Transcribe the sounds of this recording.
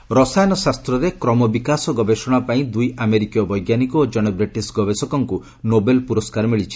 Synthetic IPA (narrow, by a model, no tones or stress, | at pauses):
ɾɔsajnɔsast̪ɾɔɾekɾɔmɔbikasɔɡɔbesɔɽ̃apaĩd̪ujʔameɾikijɔbɔjɡjanikɔːd͡ʒɔɽ̃ɔbɾiʈisɡɔbesɔkɔŋku | nobelpuɾɔskaɾɔmiɭit͡ʃʰi̥